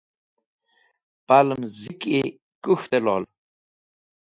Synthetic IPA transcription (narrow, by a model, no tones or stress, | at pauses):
paləmziki | kuxt̪elɔ̰ːl